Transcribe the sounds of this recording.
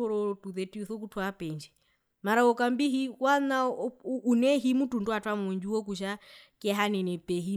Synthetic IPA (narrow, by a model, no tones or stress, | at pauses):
ɔɾɔtuðɛtiuθɔk̬utʰwapɛɲd͡ʒɛ | maɾaɔkambiɦiwanaː | nɛɦimutundwatwamɔɲd͡ʒuwɔk̬uʃ̬akiɛɦanɛnɛpɛɦi